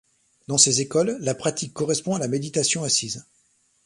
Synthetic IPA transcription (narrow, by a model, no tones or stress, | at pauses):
d̪ɑ̃sezekɔlːapχat̪ʰikːɔʁɛspɔ̃alamed̪it̪asjɔ̃asiz